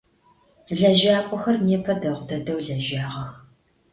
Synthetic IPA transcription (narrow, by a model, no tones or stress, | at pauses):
ɮɐʒaːkʷʼɔxɐrneːpʰɐdɐʁʷʊdɐdɐwɮɐʒaːʁɐx